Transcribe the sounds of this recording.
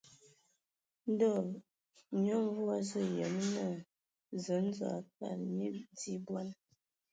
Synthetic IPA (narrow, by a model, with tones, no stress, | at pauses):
n̩˦dɔ˦˨ | ɲɔ˦m˦vwa˦zə˦jə˨˦mnə˨ | zə˨˦n̩˦zwa̰˨k̚a̰˨lmi˦di˦bwa˦n